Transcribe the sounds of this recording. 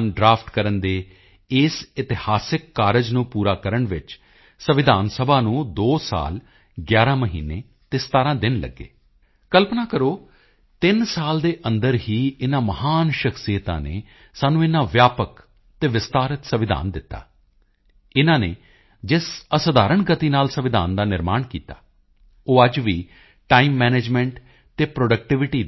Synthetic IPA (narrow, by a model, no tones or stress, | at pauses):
nɖɾaːpʰt̪kəɾənd̪eː | ɪsɪt̪ɪhaːsɪkːaːɾəd͡ʒnũːpuːɾaːkəɾəɳʋɪt͡ʃ | səʋɪd̪ʱaːnsəbʱaːnũːd̪oːsa̰ːl | ɡjaːɾãːməɦḭːnːeː | t̪eːsə̥t̪aːɾãːd̪ɪnlə̰ɡːḛː | kəlpnaːkəɾoː | t̪ɪnsaːld̪eːʔənd̪əɾɦiːɪnãːməhaːnʃəksijət̪ã̰ːnḛː | saːnũːɪnãːʋjaːpək | t̪eːʋɪst̪aːɾət̪səʋɪd̪ʱa̰ːnd̪ɪt̪ːa̰ː | ɪnãːnḛː | d͡ʒɪsəsəd̪aːɾəɳɡət̪iːnaːlsəʋɪd̪ʱa̰ːnd̪aːnɪɾmaːɳkiːt̪a̰ː | oːəd͡ʒʋḭː | ʈaːiːmːɛːneːd͡ʒmɛ̃ɳʈ | t̪eːpɾoːɖək̚ʈɪʋɪʈiː